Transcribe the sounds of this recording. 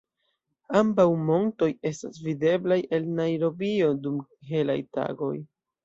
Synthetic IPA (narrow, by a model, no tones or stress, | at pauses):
ambawmo̞nto̞je̞stasvide̞blaje̞lnajɾo̞bio̞dumkiɦe̞la̰jta̰ɡo̞̰j